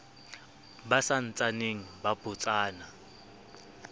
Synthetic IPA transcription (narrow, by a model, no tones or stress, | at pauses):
basan̩t͡sʼaneŋ̩bab̥ʊt͡sʼaːna